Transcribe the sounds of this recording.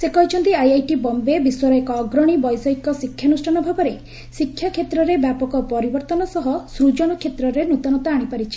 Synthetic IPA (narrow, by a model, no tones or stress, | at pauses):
sekɔɦit͡ʃʰɔnt̪iajajʈibɔmbebiswɔɾɔekɔːɡɾɔɽ̃ibɔjsɔɦikːɔsikʰːjanusʈʰanɔbʱabɔɾe | sikʰːjakʰet̪ɾɔɾebjapɔkɔpɔɾibɔɾt̪ɔnɔsɔɦɔsɾud͡ʒɔñɔkʰet̪ɾɔɾenut̪ɔnɔt̪aːɽ̃ipaɾit͡ʃʰi̥